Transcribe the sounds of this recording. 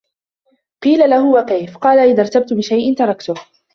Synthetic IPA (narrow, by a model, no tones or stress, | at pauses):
qiːlalahʊwakajfqɑːlaʔɪðɑɾˤt̪ab̚t̪ʊbɪʃajʔɪnt̪ɑɾˤɑkt̪ʊ